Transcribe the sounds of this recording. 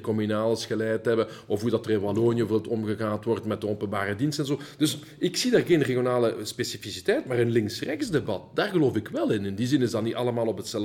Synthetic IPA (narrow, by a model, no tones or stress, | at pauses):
kɔmynaːləsxəlɛjtɦɛbə | ɔfɦudɑtərɪnbaloːnjəvolˠtɔmɣəɣaːntʋɔrtmɛt̚dəɔpənbaːɾədinstɛnzoːd̥ɵs | ɪksidaːrɣeːnreɣjonaːləspesifisi̥tɛjtmaːrənlɪŋsrɛxtsdebɑt̚d̥aːrɣəloːfɪkʋɛlˠɪnɪndizɪnɪzdɑtnitɑlˠəmaːlˠɔpətsɛl